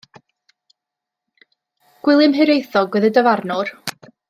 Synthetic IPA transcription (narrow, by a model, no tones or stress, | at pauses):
ɡ̥wɪlˠɨmɦɨɾejθɔɡwɛðədəvarnɔr